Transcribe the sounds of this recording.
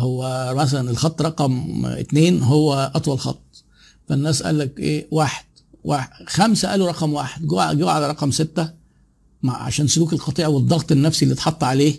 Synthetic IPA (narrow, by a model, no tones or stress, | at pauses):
howːæmæs̬ælænelxɑt̪ˤːɾˤɑqɑmḛt̪neːnɦowːæʔɑt̪ˤwɑlxɑ̰t̪ˤː | fænːæːsʔæ̰lːækʔḛːwaːħe̥d̪̥ | waxæmsæʔæ̰ːluɾˤɑqɑmwaːħed̪ɡoʕɡoʕalɾˤɑqɑmset̪ːæ | maʕa̰ʃæːnsoluːkelqɑt̪ˤiːʕɑwed̪ˤːɑɣt̪ˤenːæfsilːit̪ħɑt̪ˤːɑʕaleː